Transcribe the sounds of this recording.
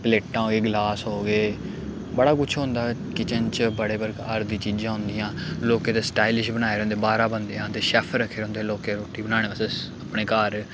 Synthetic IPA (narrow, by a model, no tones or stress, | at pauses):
pleːʈːãːɦoːɡeːɡlaːsɦoːɡeː | bəɽaːkʊt͡ʃʰɦõnd̪aːkɪt͡ʃənt͡ʃbəɽeːbəɾkəɾd̪ĩːt͡ʃiːd͡ʒãːɦʊ̃nd̪ijãːloːkeːt̪eːsʈaːilɪʃbəñaːeːɾõːnd̪eːbaːɾãːbənd̪eːãːt̪eːʃɛːpʰɾəkʰːeːɾɦʊ̃nd̪eːloːkeːɾoːʈiːbənaːɽeːbəseəpɳeːkaːɾ